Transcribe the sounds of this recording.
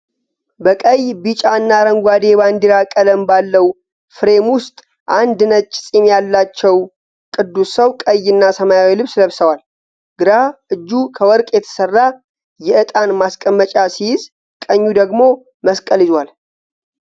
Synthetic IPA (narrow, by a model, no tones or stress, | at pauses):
bəkʼəjbit͡ʃʼaɨnːaɾəŋɡʷad̪e̞band̪iɾakʼələmbalːəw | fɨɾe̞mwʊst̪ʼ | ʔand̪nət͡ʃʼːsʼimjalːat͡ʃːɛw | kʼɨd̪ːusəwkʼəjɨnːasəmajawilɨβsləβsəwal | ɡ̥ɨɾaʔɨd͡ʒːukʰəwɔɾkʼjɛt̪ʰə̥sərːa | jɛɨt̪ʼanmaskʼəmːət͡ʃʼasijɪz | kʼəɲːud̪əɡmo̞ | məskʼəlizwal